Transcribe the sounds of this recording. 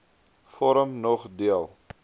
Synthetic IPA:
fɔɾəmnɔχdiəlˠ

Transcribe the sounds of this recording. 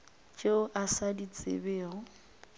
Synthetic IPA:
t͡ʃʼeʊʔasadit͡sʼɪ̰beːɔ

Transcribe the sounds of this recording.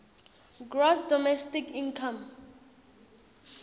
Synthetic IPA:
ɡrɔsdɔmɛstikĩnkʰam

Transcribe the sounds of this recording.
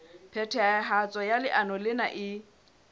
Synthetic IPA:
pʰɛtʰɛaɦat͡sʼɔjalɪʔanɔlɪnaʔɪ

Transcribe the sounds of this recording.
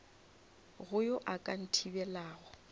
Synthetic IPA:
ɣʊjʊʔakʼan̩tʰibɛlaːɣɔ

